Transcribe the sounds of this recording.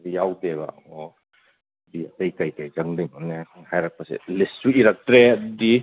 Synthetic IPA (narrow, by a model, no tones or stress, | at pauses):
dijawteβa̰ | ɔ | diat̪ajkajkajzaŋdiŋɔnːehajɾak̚pasḛlissuiɾak̚tɾedi